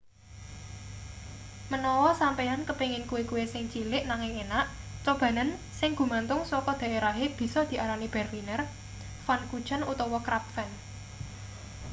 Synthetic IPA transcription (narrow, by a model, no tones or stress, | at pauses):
mənɔwɔsampɛankəpeŋɪnkuwekuwesɪŋt͡ʃilɪʔnaŋɪŋenaʔt͡ʃɔb̥ä̤nənsɪŋɡ̥ṳmant̪ʊŋswɔkɔd̪̥a̤ʔeɾaɦeb̥i̤sɔd̪̥i̤ʔaɾanib̥ɛ̤rlinər | fankud̥ʒ̥a̤nṵt̪ɔwɔkɾap̚fɛn